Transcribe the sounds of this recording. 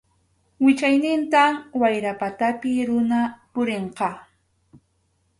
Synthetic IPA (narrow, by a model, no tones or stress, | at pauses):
wɪt͡ʃajnɪnt̪awajɾapat̪apɪɾʊnapʊɾeɴqɑ